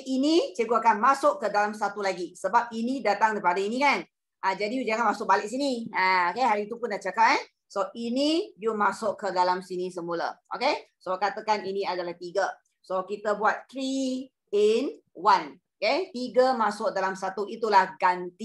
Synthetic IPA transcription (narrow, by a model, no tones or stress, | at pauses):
init͡ʃəɡuakanmasʊʔkədalamsat̪ulaɡisəbap̚inĩdat̪aŋdəipadainĩkan | ʔad͡ʒadid͡ʒaŋanmasʊk̚balɪʔ̚siniaokeɦaɾiːt̪upʊnːaht͡ʃakat̚ɛ | soʔinidumasʊʔkədalamsinisəmulə̰ʔo̰ke | sokat̪akaniniadalaht̪iɡə | sokit̪əbuat̪̚t̪ɾi | inwanoket̪iɡəmasʊʔ̚dalamsat̪uit̪ulahɡant̪i